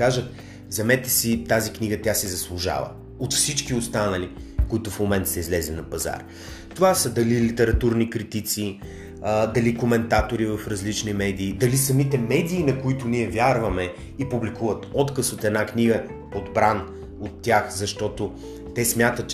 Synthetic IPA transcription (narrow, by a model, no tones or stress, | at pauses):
aʒət̪ | zɐmɛt̪ɛsit̪azikniɡət̪ʲjasɛzɐslˠuʒa̰və̰ | ot̪fsit͡ʃkiost̪anəlikʊit̪ʊfmomɛnt̪ə̥sɛizlɛzinɐpɐza̰ɾ | t̪ovasəd̪ɐlilit̪ɛɾɐt̪uɾnikɾit̪it̪si | d̪ɐlikomɛnt̪at̪oɾivɐfɾɐzlit͡ʃnimɛd̪iːd̪ɐlisɐmit̪ɛmɛd̪iːnɐkʊit̪ʊniɛvʲjaɾvɐmɛ | ipublikuvət̪ɔt̪kəsot̪ɛd̪nakniɡə | pod̪bɾan | ot̪ːjaxzɐʃt̪ɔt̪ʊ | t̪ɛsmʲjat̪ət̪t͡ʃ